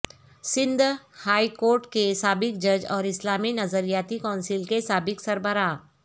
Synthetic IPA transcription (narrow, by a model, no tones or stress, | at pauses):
sɪ̃nd̪ʱhaːikoːɾʈkesaːbɪk̚d͡ʒɐd͡ʒɔːɾɪslaːminɐzəɾijaːt̪ikɔ̃ːnsɪlkesaːbɪksɐɾbəɾaː